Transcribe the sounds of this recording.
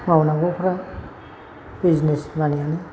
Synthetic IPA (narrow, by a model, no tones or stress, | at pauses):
mawnaɡɔpʰɔɾa | biznesmanijane